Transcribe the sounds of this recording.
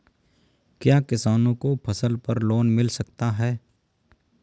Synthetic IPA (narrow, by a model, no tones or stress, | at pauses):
kjaːkɪsaːnõkopʰɐsəlpɐɾloːnmɪlsɐk̚t̪aɦɛː